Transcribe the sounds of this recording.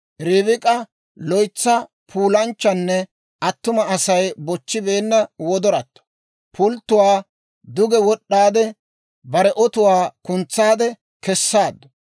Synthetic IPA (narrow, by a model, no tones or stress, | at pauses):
ɾɪbɪkʼɐ | lɔjt͡sːɐ | pʰuːlɐnt͡ʃːɐnːɛ | ɐt̪ːʊmɐɐsɐjbɔt͡ʃːɪbe̞ːnːɐwɔd̪ɔɾɐt̪ːɔ̥ | pʰʊlt̪ːʊwaː | d̪ʊɡɛwɔɗːaːd̪ɛ | bɐɾɛʔɔt̪ʊwaːkʊnt͡sːaːd̪ɛ | kɛsːaːd̪ɐ